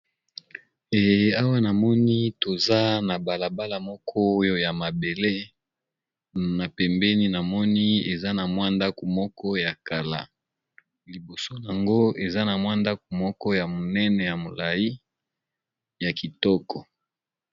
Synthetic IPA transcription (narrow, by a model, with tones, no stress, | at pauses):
e˨ja˦wa˦na˨mɔ˦ni˦to˨za˦na˨ba˨la˨ba˦la˨mɔ˦kʰɔ˦jo˦ja˨ma˨be˨le˦ | na˨pɛ˨mbɛ˦ni˦na˨mɔ˦ni˦e˨za˦na˨mwa˦nda˦ko˨mɔ˦kʰɔ˦ja˨ka˨la̰˨ | li˨bo˨so˦la˨ŋɡo˦e˨za˦na˨mwa˦nda˦ko˨mɔ˦kɔ˦ja˨mo˨nɛ˦nɛ˨ja˨mo˨la˨ji˦ | ja˨ki˨tɔ˦kɔ˨